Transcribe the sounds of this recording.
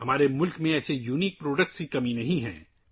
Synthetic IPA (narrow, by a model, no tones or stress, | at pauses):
ɦɐmaːɾemʊlkmẽɛːsejuːniːk̚pɾoːɖək̚ʈskikɐminɐɦĩɦɛ̰̃ː